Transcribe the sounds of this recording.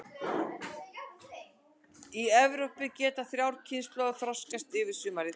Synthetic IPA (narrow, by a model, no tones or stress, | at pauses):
iɛvɾɔpɪcɛːt̪aθɾjawɾ̥cʰɪnst̪lɔɣʏθɾɔskast̪ɪvɪ̥sʏːmaɾi